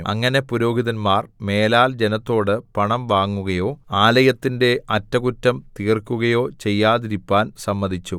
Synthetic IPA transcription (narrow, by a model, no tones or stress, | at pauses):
ɐ̰ŋːɐne̞puɾo̞ːɡiðɐnmaːrme̞ːlaːld͡ʑe̞nɐt̪ːo̞ːɽɨpɐɳɐmʋaːŋːuɣɐjo̞ːaːlɐjɐt̪ːinde̞ʔɐtːɐkutːɐmt̪iːrkːuɣɐjo̞ːt͡ɕe̞jːaːðiɾipːaːnsɐmːɐðit͡ɕːu